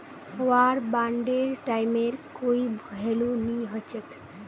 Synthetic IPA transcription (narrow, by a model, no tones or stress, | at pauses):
ʋaɾbaɳɖeɾʈajmeɾkoibʱəɦeluniɦət͡ʃek